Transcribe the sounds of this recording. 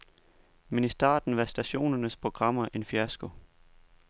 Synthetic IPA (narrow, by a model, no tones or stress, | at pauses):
menisd̥ɑ̰̈ːd̥n̩ʋɑ̈sd̥æɕo̝̰ːnɐnəspʰʁo̝ɡ̥ʁɑ̈m̰ɐʔe̝nfiæsɡ̥o̝